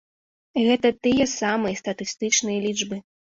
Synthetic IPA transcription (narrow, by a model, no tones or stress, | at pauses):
ɣɛt̪ɐt̪ɨjɛsamɨjɐst̪ɐt̪ɨst̪ɨt͡ʂnɨjɐlʲiʐbɨ